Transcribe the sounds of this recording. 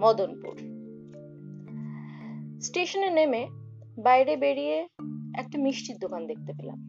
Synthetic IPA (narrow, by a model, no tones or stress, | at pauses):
mɔd̪onpṵɾ | sʈeʃoneneme | bajɾebeɽieɛk̚ʈamiʃʈid̪okand̪ek̚ʰt̪efela̰m